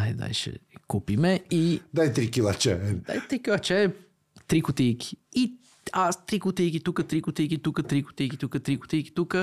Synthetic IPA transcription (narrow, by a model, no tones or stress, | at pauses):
ajd̪a̰jʃɐ̰kupimɛid̪ajt̪ɾikilat͡ʃɛa̰jt̪ɾikilˠɐt͡ʃɛ | t̪ɾikut̪ijki̥i | ast̪ɾikut̪ejkit̪ukɐt̪ɾikut̪ikit̪ukɐt̪ɾiku̥t̪ikit̪ukɐt̪ɾiku̥t̪ijki̥t̪ukɐ